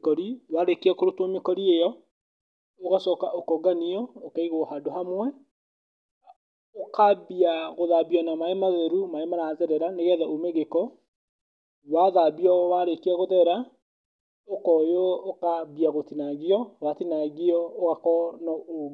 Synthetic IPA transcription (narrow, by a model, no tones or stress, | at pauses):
kɔɾiwaɾekeakoɾotwɔmekɔɾiejɔ | oɣasɔkaʔokɔɡaniɔokaiɣohadoɦamwɛ | okʰaβiaɣoðabiɔnamaemaðɛɾumaemaɾazɛɾɛɾaneɣɛðaʔomeɣekɔ | waðabiɔwaɾekeaɣoðɛɾa | okɔjookaβiaɣotinaɣiɔwatinaɣiɔoɣakɔnɔo